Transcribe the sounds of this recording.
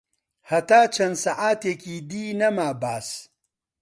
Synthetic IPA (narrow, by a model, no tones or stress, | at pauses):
hɐt̪aːt͡ʃʰɐnsaʔaːt̪eːkiːd̪iːnɐmaːbaːs